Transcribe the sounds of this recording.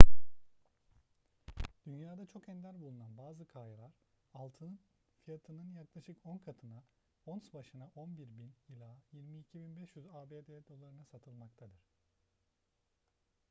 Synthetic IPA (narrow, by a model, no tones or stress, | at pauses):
d̪̥ynjaːd̪at͡ʃʰo̞kɛnd̪ʲæɾbulˠunanbaːzɯkʰajalˠaɾ̥ | alˠt̪ʰɯnɯn | fijat̪ʰɯnɯnjaklˠaʃɯkonkʰat̪ʰɯna | onsbaʃɯnaʔo̞nbiɾbinjilʲˠaːjiɾmiːcʰibinbɛʃjyzaːbeːd̪ed̪o̞lˠaɾɯnasat̪ʰɯlˠmak̚t̪ʰad̪ɯɾ̝̥